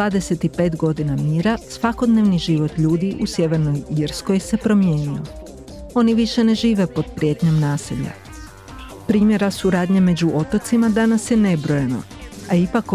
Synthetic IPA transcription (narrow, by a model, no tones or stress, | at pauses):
d̪aːd̪ese̞t̪ipe̞ːt̪ɡo̞d̪inamiːɾasʋako̞d̪ne̞ʋniʒiʋot̪ʎuːd̪iʔusje̞ʋe̞ɾnojiɾsko̞jse̞pɾo̞mje̞ːnio | o̞niʋiʃe̞ne̞ʒiːʋe̞po̞d̪̚pɾije̞t̪ɲo̞mnaːsiʎa̰ | pɾiːmje̞ɾasuɾaːd̪ɲeme̞d͡ʑuʔo̞t̪o̞t̪simad̪anasje̞ne̞bɾojeno̞̰ | aipak